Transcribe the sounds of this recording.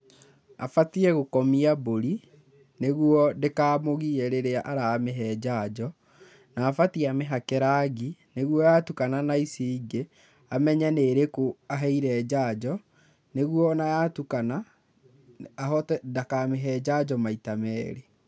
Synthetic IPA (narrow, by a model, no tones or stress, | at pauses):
a̰fatiɛɣokɔmiaboɾi | neɣwɔdekaːmoɣiɛɾeɾeaʔaɾaːmeɦɛːd͡ʑad͡ʑɔ | naːfatiameɦakɛɾaɣineɣwɔjatukananaisiiɡe | amɛɲɛneɾekoaɦɛiɾɛːd͡ʑad͡ʑɔ | neɣwɔnajatukana | ɦɔtɛdakameɦɛːd͡ʑad͡ʑɔmaitamɛːɾe